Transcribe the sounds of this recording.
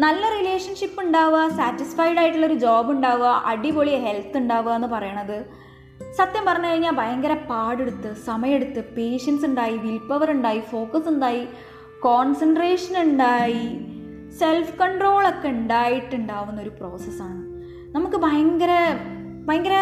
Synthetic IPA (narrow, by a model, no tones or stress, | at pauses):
nɐlːɐrile̞ːʂɐnʂipːuɳɖaːʋɐsaːtːisfɐjɽaːjiʈːuɭːɐo̞ɾud͡ʑoːbuɳɖaːʋɐʔɐɽiboɭiɦe̞lt̪ːuɳɖaːʋɐenːɨpɐrɐjɐɳɐðɨ | sɐt̪jɐmpɐrɐɲːukɐɻiɲːaːlbʱɐjɐŋɡɐɾɐpaːɽe̞ɽut̪ːɨsɐmɐjeɽut̪ːɨpe̞ːʂɐnsuɳɖaːjiʋilpːɐʋɐɾuɳɖaːjifo̞ːkɐsuɳɖaːji | koːnsɐnɖreːʂɐnuɳɖaːji | se̞lfkɐɳɖro̞ːɭokːe̞uɳɖaːjiʈːuɳɖaːʋunːo̞ɾupro̞ːsɐsaːɳɨ | nɐmukːɨbʱɐjɐŋɡɐɾɐ | bʱɐjɐŋɡɐɾɐ